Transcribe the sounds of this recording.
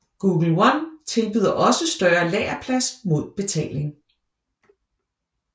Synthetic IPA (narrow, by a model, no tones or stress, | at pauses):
ɡ̥uːɡ̥l̩wɑnt͡sʰe̝lb̥yðˠɐʔɒ̽səsd̥ɶɐlɛ̰ːɐpʰlæsmo̝ð̞̰ˠb̥e̝t͡sʰɛ̰ːle̝ŋ